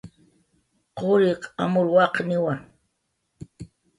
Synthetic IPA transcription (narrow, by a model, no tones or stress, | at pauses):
qoɾɪqamʊlwɑqnɪwaŋ